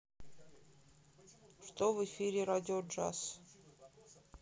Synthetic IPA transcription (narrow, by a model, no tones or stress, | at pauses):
ʂt̪ovɨfʲiɾʲɪɾadʲɪoʐa̰s